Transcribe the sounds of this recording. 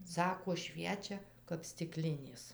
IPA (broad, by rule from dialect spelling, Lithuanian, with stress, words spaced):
ˈsɑːkoː ˈʃʲʋʲiɛt͡ʃʲɛ kɐp sʲtʲɪˈklʲɪnʲeːs